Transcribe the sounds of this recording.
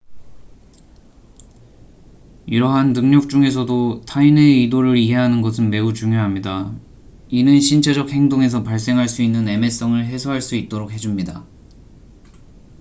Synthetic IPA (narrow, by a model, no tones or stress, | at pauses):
iɾʌɦanːɯŋɲʌk̚t͡ɕ͈uŋe̞s̬ʰʌdotʰaineidoɾɯɾiɦe̞ɦanɯnɡʌsʰɯnme̞ut͡ɕuŋjoɦamɲida | inɯnɕʰint͡ɕʰed͡ʑʌk̚he̞ŋdoŋe̞s̬ʰʌpaɭs͈e̞ŋɦaɭs͈uinːɯne̞me̞s͈ʌŋɯɭɦe̞sʰoɦaɭs͈uit̚t͈oɾok̚he̞d͡ʑumɲida